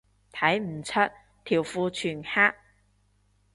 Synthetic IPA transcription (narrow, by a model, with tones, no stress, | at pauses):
t̪ʰɐ˨˥jm̩˨˩t͡sʰɐ˥t̚ | t̪ʰiː˨˩wfuː˧t͡ʃʰyː˨˩nhaː˥k̚